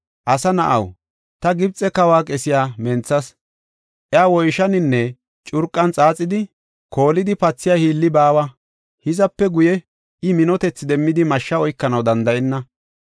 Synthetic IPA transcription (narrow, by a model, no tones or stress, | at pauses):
ʔɐsɐnɐʔɐ̰w | t̪ɐɡɪbt͡sʼɛkɐwaːkʼɛsɪjaːmɛnt͡sːɐs | ʔjaːwɔjʃɐnɪnːɛ | t͡ʃʼʊɾkʼːɐnt͡sʼaːt͡sʼːɪd̪ɪ | kʰo̞ːlɪd̪ɪpɐt͡sːɪjahiːlːɪbaːwɐ | hɪzɐpːɛɡʊjɛ | ɪmɪnɔt̪ɛt͡sːɪd̪ɛmːɪd̪ɪmɐʃːɐɔjkːɐnɐwd̪ɐnd̪ɐʔɛnːɐ